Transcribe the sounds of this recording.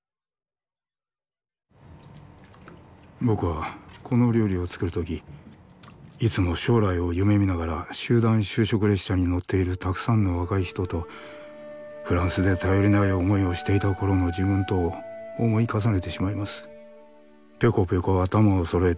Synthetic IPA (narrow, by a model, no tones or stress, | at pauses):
bo̞kɯ̟βakʰono̞ɾʲoːɾʲio̞t͡sɨ̥kɯ̟ɾɯ̟t̪ok̬ʲi | it͡sɨmo̞ɕo̞ːɾaio̞jɯ̟me̞mʲinaɣaɾaɕɨːd̪ãɰ̃ɕɨːɕo̞kɯ̟ɾe̞ɕɕaɲ̟ino̞t̪ʰːe̞iɾɯ̟t̪akɯ̟̥sãnːo̞βakaiçi̥t̪o̞t̪o̞ | ɸɯ̟ɾãɰ̃sɨd̪e̞t̪ajo̞ɾʲinaio̞mo̞io̞ɕi̥t̪e̞it̪ako̞ɾo̞no̞d͡ʑibɯ̟̃nt̪o̞ːmo̞ikas̬ane̞t̪e̞ɕimaimasɨ̥ | pʲe̞ko̞pʲe̞ko̞at̪amaoso̞ɾoe